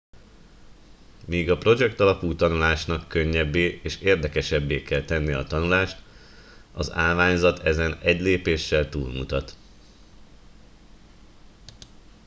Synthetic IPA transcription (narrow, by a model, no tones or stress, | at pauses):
miːɡɒpro̞d͡ʒɛkt̪ɒlɒpuːt̪ɒnulaːʃnɒkːø̞ɲːɛbːeːeːʃeːrd̪ɛkɛʃɛbːeːkɛlt̪ɛnːijɛɒt̪ɒnulaːʃt̪ | ɒza̰ːlvaːɲzɒt̪ʰɛzɛnɛɟleːpeːʃːɛlt̪ṵːlmṵt̪ɒt̪